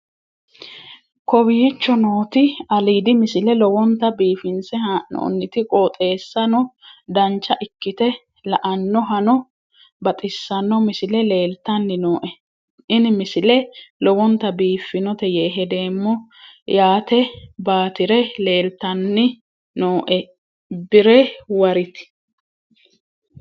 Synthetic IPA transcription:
kɔwiːt͡ʃːɔnoːt̪ɪɐliːd̪ɪmɪsɪlɛlɔwɔnt̪ːɐbiːfɪnsɛno̰ːnːɪt̪ɪkʼoːt̪ʼe̞ːsːɐnɔd̪ɐnt͡ʃːɐʔɪkːɪt̪ɛ | lɐʔɐnːɔɦɐnɔ | bɐt̪ʼɪsːɐnːɔmɪsɪlɛle̞ːlt̪ɐnːɪnoːʔɛ | ʔɪnɪmɪsɪlɛlɔwɔnt̪ːɐbiːfːɪnɔt̪ɛjeːɦɛd̪e̞ːmːɔjaːt̪ɛbaːt̪ɪɾɛle̞ːlt̪ɐnːɪ | noːʔɛ | bɪɾɛwɐɾɪt̪ɪ̥

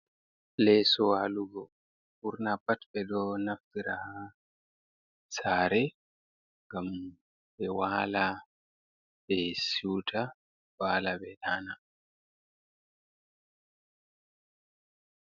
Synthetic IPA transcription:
lɛsɔwaluɡɔ | buɾnapatbɛdɔnaftiɾaha | saːɾɛ | ŋɡam | bɛwaːla | bɛsuwtʰa | waːlabɛɗana

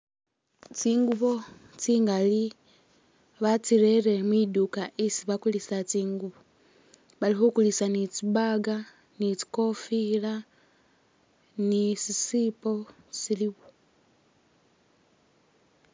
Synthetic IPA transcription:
t͡siːŋɡuβo̞ | t͡siːŋɡali | βat͡siɾe̞ɾe̞mwiːdukaʔisiβakulisat͡siːŋɡuβo | βalixukulisanit͡sibaɡa | nit͡si̥ko̞fila | nisisiːpo̞ | siliβo

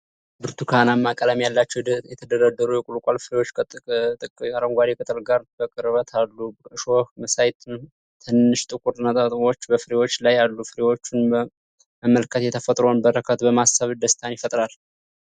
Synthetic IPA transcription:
bɨɾt̪ʰukʰanamːakʼələmjalːat͡ʃːɛjɛt̪ʰəd̪əɾəd̪ːəɾujɛkʼulkʷʼalfɨɾewot͡ʃːʰt̪ʼɨkʼaɾəŋɡʷad̪ekʰət̪ʰəlɡaɾbəkʼɨɾβət̪ʰalːuɨʃohməsajt̪ʰn | t̪ʰɨnːɨʃt̪ʼɨkʼuɾnat̪ʼət̪ʼβo̞t͡ʃːbəfɨɾewo̞t͡ʃːlajalːufɨɾewo̞t͡ʃːunə | məməlkʰət̪jɛt̪ʰəfət̪ʼɾonbəɾəkʰət̪bəmasːəβd̪əst̪ʰanjɪfət̪ʼɾal

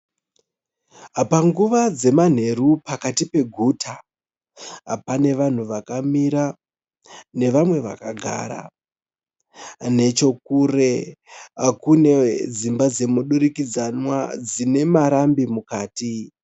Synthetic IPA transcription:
ɦapaŋɡuʋad͡ze̞man̤e̞ɾupakatipe̞ɡʱutʰa | ɦa̰pane̞ʋan̤uʋakamiɾa | ne̞ʋamwe̞ʋa̰kaɡʱa̰ːɾa̰ | ne̞t͡ʃo̞kure | kune̞d͡zimbad͡ze̞muɗuɾikid͡zanwad͡zine̞maɾambimukaːti

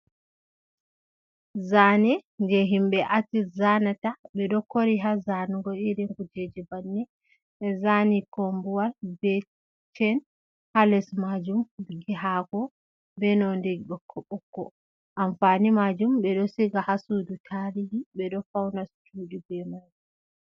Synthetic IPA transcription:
zanɛnd͡ʒɛɦimbɛʔatizanataɓɛɗɔkoɾiɦazanuɡɔiɾɛŋɡud͡ʒed͡ʒɛbanːɛ | ɛzanikombuwalbɛ | t͡ʃɛn | halɛsmad͡ʒumɡiɦaɡɔ | bɛnɔndeɡiɗɔkʰːɔɓɔkːɔ̰ | ʔamfanimad͡ʒumɓɛɗɔsiɡahasudutʰaɾihiɓɛɗɔfawnastuːɗibɛmad͡ʒu

